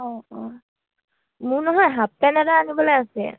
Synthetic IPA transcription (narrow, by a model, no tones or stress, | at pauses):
ɔɔ | mʊɹnɔɦɔjɦap̚pɛnɛtaanibɔlɔjasiɛ̰